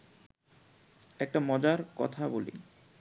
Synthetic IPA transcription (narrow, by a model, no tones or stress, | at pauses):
ɛk̚ʈamɔd͡ʑaɾkɔ̰t̪ʰabolḭ